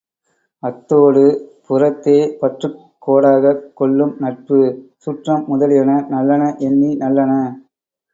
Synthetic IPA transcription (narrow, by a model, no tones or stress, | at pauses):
ɐt̪ːoːɽɯpʊrɐt̪ːeːpɐʈrɯ | kːoːɽaːɣɐkːɔɭːɯmnɐʈ̚pɯsuːʈrɐmːʊðɐlɪjɐnɐnɐlːɐnɐʔɛnːinɐlːɐnɐ